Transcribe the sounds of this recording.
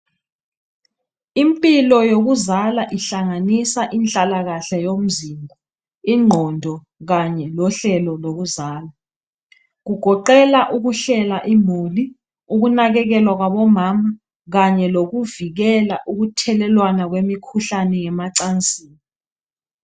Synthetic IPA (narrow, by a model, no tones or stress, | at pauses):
impʼilɔjoɣ̬uzalaʔiɬaŋanisaʔint͡ɬʼalaɣaɬɛjom̩zimbʱɔ | iŋ͡ǃʱɔndʱɔ | ɣaɲɛlɔɬɛlɔloɣuzaːla | ɣ̬uɡ̥ʱɔǃɛlaʔuɣuɬɛlaʔimoli | uɣunaɣɛk̬ɛlwak̬waɓɔmaːma | ɣaɲɛloɣuviɣ̬ɛlaʔuɣutʰɛlɛlwanak̬wemikʰuɬanɛŋɛmaǀant͡sʼiːni